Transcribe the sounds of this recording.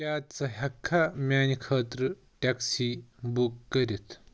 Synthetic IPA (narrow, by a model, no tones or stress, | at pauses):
kʲaːt̪t͡sɐɦɐkʰːamʲaːnikʰɐːt̪ɾɨ | ʈaksibukːɐɾit̪ʰ